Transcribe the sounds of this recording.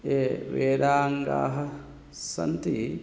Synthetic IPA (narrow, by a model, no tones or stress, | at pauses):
eːʋeːɾaːŋɡa̰ːɦɐ | sɐ̰nt̪i